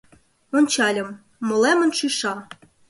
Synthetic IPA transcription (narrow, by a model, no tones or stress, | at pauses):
ont͡ɕɑlʲɤ̆mː | ŏlˠæmə̆nʃyʃɑ